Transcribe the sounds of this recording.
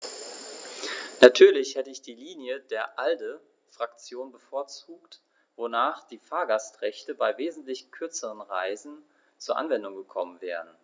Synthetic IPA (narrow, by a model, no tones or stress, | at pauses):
natʰyːɐlɪçhɛtəɪçd̥iːliːnjədeːɐʔaldə | fʁ̥akt͡sjoːnbəfoːɐt͡suːkt | vonaːχd̥iːfaːɐɡastʁ̥ɛçtəbaɪveːzn̩tlɪçkʰʏɐt͡səʁənʁaɪzn̩ | t͡suːɐʔa̰nvɛndʊŋɡəkʰɔmənvɛːʁən̩